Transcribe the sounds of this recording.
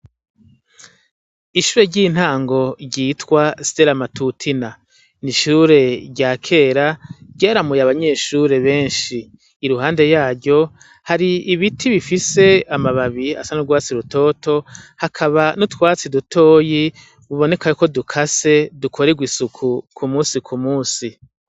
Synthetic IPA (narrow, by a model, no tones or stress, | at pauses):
iʃuːɾeɟiːn̥haːŋɡo̞ɾɟiːtwasi̥deɾamatutʰina | niʃuɾe̞ɾɟakʰe̞ːɾaɟaːɾamujaβaɲe̞ʃuɾe̞βe̞ːnʃiː | ɾuɦaːnde̞jaːɾɟo̞ | haɾiiβitʰiβifise̞amaβaβia̰sanuɡwaːt͡siɾuto̞ːto̞hakʰaβanotwaːt͡sidutʰo̞ːji | βuβo̞ne̞kajoko̞dukʰase̞dukʰo̞ɾeɡwisukʰukʰumuːsikʰumuːsi